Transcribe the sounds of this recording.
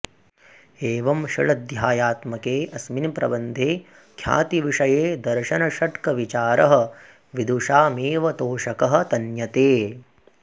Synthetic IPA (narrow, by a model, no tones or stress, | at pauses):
eːʋɐmʃɐɭɐd̪jaːjaːt̪mɐkeːʔɐsminpɾɐ̰bɐnd̪ʱeː | kʰja̰ːt̪iʋiʂɐjeːd̪ɐɾʃɐnɐʃɐʈkɐʋit͡ʃaːɾɐɦɐ̆ | ʋid̪uʂaːmeːʋɐt̪oːʃɐkɐɦɐ̆t̪ɐnjɐt̪eː